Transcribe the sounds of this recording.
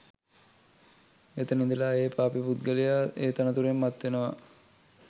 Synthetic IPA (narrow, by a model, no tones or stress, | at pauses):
et̪ənind̪ilaːeːpaːpiput̪̚ɡəlijaeːt̪anət̪uɾemːat̪ʋenəʋa̰